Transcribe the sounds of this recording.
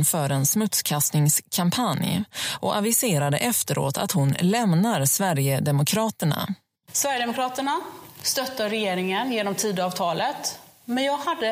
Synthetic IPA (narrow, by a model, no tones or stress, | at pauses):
fœɾɛnsmɵt̪skʰast̪nɪŋskʰampʰanjʔɔavɪseːɾad̪ə̰ʔɛft̪əɾʔo̰ːt̪ʰa̰t̪hʊnlɛmnaɾsvæɾjəd̪ɛmʊkʰɾɑːt̪əɳa̰ | svæɾjəd̪ɛmʊkɾɑːt̪əɳast̪œt̪ːaɾɛjeːɾɪŋənjeːnɔmt̪ʰiːd̪ɑːvt̪ʰɑːlət̪ | mɛnjɑːɡhad̪ːə